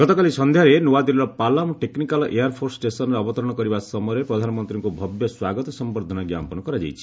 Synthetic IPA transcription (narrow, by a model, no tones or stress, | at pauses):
ɡɔt̪ɔkalisɔnd̪ʱjaɾenowad̪ilɾɔpalamɔʈeknikalɔʔejaɾpʰoɾssʈesɔnɔɾeɔbɔt̪ɔɾɔɽ̃ɔkɔɾibasɔmɔɾepɾɔd̪ʱanɔmɔnt̪ɾiŋkubʱɔbjɔswaɡɔt̪ɔsɔmbɔɾd̪ʱɔnaɡja̰mpɔnɔkɔɾad͡ʒa̰jt͡ʃʰi̥